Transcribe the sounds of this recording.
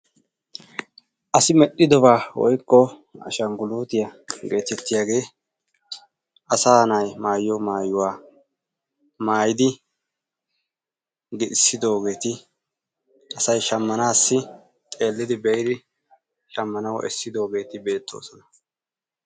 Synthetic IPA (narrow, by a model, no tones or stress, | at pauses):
ʔɐsɪmɛɗːɪd̪ɔbaːwɔ̰jkːɔ | ɐ̰ʃɐŋɡʊluːt̪ɪjɐɡe̞ːt̪ɛt̪ːɪjaɡe̞ː | ʔɐsaːnɐjmaːjːɔmaːjʊwaː | maːjɪd̪ɪ | ɡɪd̪ɪsːɪd̪o̞ːɡe̞ːt̪ɪ | ʔɐsɐjʃɐmːɐnaːsːɪ | t̪ʼe̞ːlːɪd̪ɪbɛjɾɪ | ʃɐmːɐnɐwʔɛ̰sːɪd̪o̞ːɡe̞ːt̪ɪbe̞ːt̪ːo̞̰ːsɔnɐ